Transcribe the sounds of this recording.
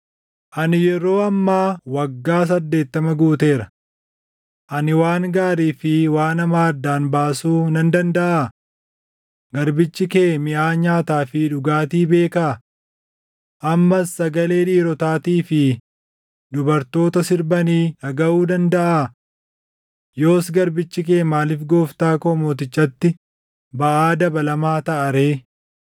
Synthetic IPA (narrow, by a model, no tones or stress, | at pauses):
ʔɐnɪjɛɾo̞ːɐmːaːwɐɡːaːs̬ɐd̪ːe̞ːt̪ːɐmɐɡuːt̪e̞ːɾɐ | ʔɐnɪwaːŋɡaːɾiːfɪwaːnɐmaːd̪ːaːnbaːsuːnɐnd̪ɐnd̪ɐʔa | ɡɐɾbɪt͡ʃːɪkeːmɪʔaːɲaːt̪aːfɪᶑʊɡaːt̪iːbe̞ːkaː | ʔɐmːɐsːɐɡɐle̞ːᶑiːɾɔt̪aːt̪iːfɪ | d̪ʊbɐɾt̪o̞ːt̪ɐsɪɾbɐniːɐɡɐʔuːd̪ɐnd̪ɐʔaː | jo̞ːsɡɐɾbɪt͡ʃːɪk̬eːmaːlɪfɡo̞ːft̪aːkɔːmoːt̪̬ɪt͡ʃʼːɐt̪ːɪ | bɐʔaːd̪ɐbɐlɐmaːt̪ɐʔɐɾe̞ː